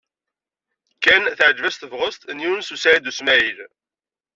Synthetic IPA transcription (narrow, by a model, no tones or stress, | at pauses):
kːænθəʕd͡ʒvæst̪əvʁəst̪njunsusaɾid̪usmæil